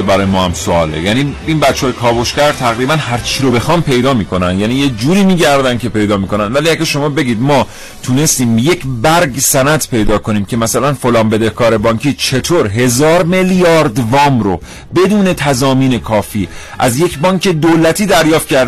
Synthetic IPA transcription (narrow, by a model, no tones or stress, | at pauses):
bæɾɒːjemɒːhæmsoɒːlḛjæniːiːnbætt͡ʃːeːjekʰɒːbo̞ʃcæɾt̪ʰæɣɾiːbænhæɾt͡ʃʰiːɾobe̞xɒːmpʰe̞jd̪ɒːmiːkʰo̞nænd̪jæːniːjed͡ʒuːɾiːmiːɟæɾd̪ænd̪kʰʲcʰe̞pe̞jd̪ɒːmiːko̞nænd̪væliæɡʲæʃo̞mɒːbe̞ɡiːd̪mɒː | t̪ʰune̞st̪iːmje̞cʰbæɾɡsænæt̪pʰe̞jd̪ɒːkʰo̞niːmcʰe̞mæsælænfolɒːnbe̞d̪e̞hkʰɒːɾe̞bɒːŋcʰiːt͡ʃʰe̞t̪ʰoːɾɦe̞zɒːɾmeljɒːɾd̪vɒːmɾo | be̞d̪uːne̞t̪ʰæzɒːmiːne̞kʰɒːfiːʔæ̰zje̞cʰbɒːɲce̞d̪olæt̪ʰiːd̪æɾjɒːft̪̚cʰæɾd̪